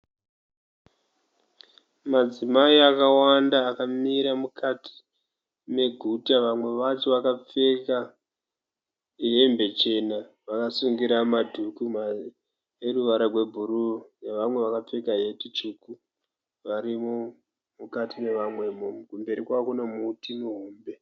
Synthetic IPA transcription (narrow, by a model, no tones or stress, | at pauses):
mad͡zimaiakawandaːkamiɾamukʰatʰi̥ | me̞ɡʱutaʋamwe̞ʋat͡ʃoʋakap͡fe̞ka | iɦe̞mbe̞t͡ʃe̞na | ʋakasuŋɡiɾamadʱukuma | eruʋaɾarwe̞bʱuɾuneʋamwe̞ʋakap͡fe̞kaɦe̞tit͡ʃuku | ʋaɾimo | mukatine̞ʋamwe̞mkumbe̞ɾikwakunomutinuɦuːmbe